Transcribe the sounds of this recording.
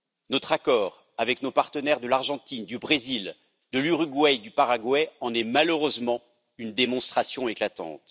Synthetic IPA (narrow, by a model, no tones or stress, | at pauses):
nɔt̪χakɔːʁ | avɛknopaʁt̪ənɛʁd̪əlaʁʒɑ̃t̪ind̪ybʁezil | d̪əlyʁyɡwɛd̪ypaʁaɡwɛɑ̃nɛmaləʁøzmɑ̃ | ynd̪emɔ̃st̪χasjɔ̃eklat̪ɑ̰̃t̪